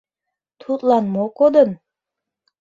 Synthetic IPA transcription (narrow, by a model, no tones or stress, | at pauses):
t̪ʰut̪lɑnmokod̪ən